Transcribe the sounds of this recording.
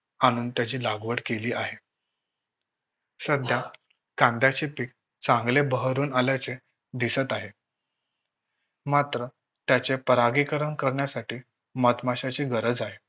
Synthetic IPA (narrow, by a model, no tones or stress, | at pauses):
aɽ̃uːnt̪jat͡ɕiːlaɡʋəɽkeliːʔaɦe | səd̪ʱja | kãnd̪jat͡ɕepiːk̚ | t͡sãŋɡlebəɦɾuːnaljat͡se | d̪isət̪aɦe | mat̪ɾə | t̪jat͡ɕepəɾaɡikəɾəɳkəɾɳjasaʈiː | mət̪maɕat͡ɕiːɡəɾəd͡zaɦe